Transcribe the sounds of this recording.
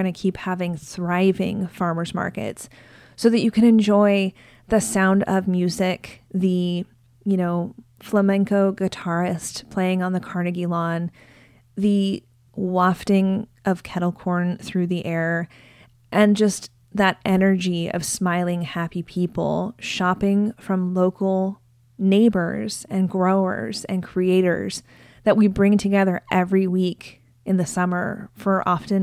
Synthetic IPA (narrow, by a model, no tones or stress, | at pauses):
ʌnɨkʰiphævɪ̃ŋθɹaɪvɪ̰̃ŋfɑɹmə˞zmɑ̰ɹkɨ̰ts | soʊðɨt͡ʃɨkʰɨ̃nɨ̃nd͡ʒɔɪ | ðɨsãʊ̃ndʌvmjʉzɪkðɨ | jɨnoʊfləmɛ̃ŋkoʊɡɨtʰɑɹɨstpʰl̥eɪɪ̃ŋə̃nðɨkʰɑɹnɨɡilɑ̃n | ðɨ | wɑftɪ̃ŋʔʌv̥kʰɛɾl̩ˠkʰɔɹnθɹʉðiʔɛɹ | ʔɨ̃nd͡ʒʌst̪ | ðɨɾʔɛnə˞d͡ʒiʌ̰v̥smaɪlˠɪ̃ŋhæpipʰipl̩ˠʃɑpɪ̃ŋfɹʌ̃mloʊkʰl̩ˠ | neɪbə̰˞z̥ɨ̃nɡɹoʊə̰˞zɨ̰̃nkʰɹ̥ieɪɾə̰˞z | ðɨʔ̚wibɹɪ̃ŋtʰɨɡɛðə˞ʔɛvɹiwik | ʔɨ̃nðɨsʌmə̰˞fə˞ʔɑfɨ̃n